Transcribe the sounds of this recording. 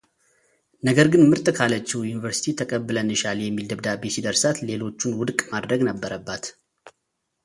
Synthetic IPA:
nəɡəɾɡɨnmɨɾt̪ʼkʰalət͡ʃːɛwjunivəɾsi̥t̪ʰit̪ʰəkʼəbːɨlənːɨʃaljɛmːild̪əbd̪abːesid̪əɾsat̪lelo̞t͡ʃːunwʊd̪kʼmad̪ɾəɡnəbːəɾəbːat̪

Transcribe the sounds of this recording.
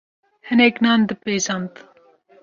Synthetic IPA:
hɨnɛknɑːnd̪ɨpeːzɑːnt̪

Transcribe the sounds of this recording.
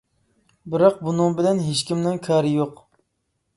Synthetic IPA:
bɪɾɑq̚bunɨŋbɪlɛnɦeʃkʲimnɪŋkʰɑːɾɪjoq

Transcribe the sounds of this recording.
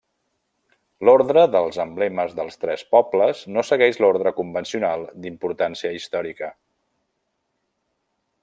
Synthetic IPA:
loɾðɾəðəlˠzəmblɛməzðəlˠst̪ɾɛspɔbləznosəɣɛʒloɾðɾəkumbənsiunalˠd̪impuɾt̪ansiəist̪ɔɾikə

